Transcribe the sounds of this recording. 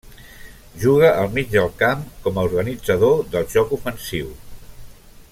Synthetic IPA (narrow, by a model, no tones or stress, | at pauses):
ʒuɣəʔəlˠmid͡ʒd̪əlˠkamkɔməuɾɣənid͡zəðoðəlˠʒɔkufənsiw